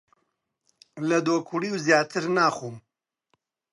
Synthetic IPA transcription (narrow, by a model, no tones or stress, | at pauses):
lɐd̪oːkʰuliːwzjaːt̪ʰɨɾnaːχuːm